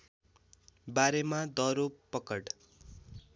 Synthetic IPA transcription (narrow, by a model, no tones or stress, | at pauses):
baɾemad̪ʌɾopʌkʌʈ